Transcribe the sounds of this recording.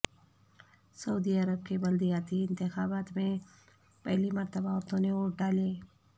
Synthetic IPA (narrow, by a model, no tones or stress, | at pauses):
sɐuːd̪iɐɾəb̚kebɐld̪ijaːt̪iɪ̃nt̪ɪxaːbaːt̪mẽ | pɐɦlimɐɾt̪ɐbaɔɾt̪õneoʈ̚ɖaːle